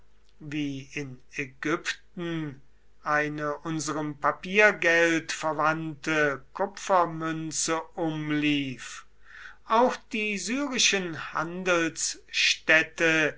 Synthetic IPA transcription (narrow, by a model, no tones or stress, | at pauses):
viːɪnɛɡʏptn̩ | ʔaɪnəʔʊnzəʁəmpapiːɐɡɛltfɛɐvantəkʰʊpfɐmʏnt͡səʔʊmliːf | ʔaʊxd̥iːzyːʁɪʃənha̰ndəl̩sʃtɛtə